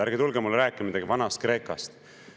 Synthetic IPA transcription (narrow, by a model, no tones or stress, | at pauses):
æɾɡ̥et̪ulɡemulɾæːkːˑimid̪ɑɡ̥ivɑnɑst̪̚kre̞ːkɑst̪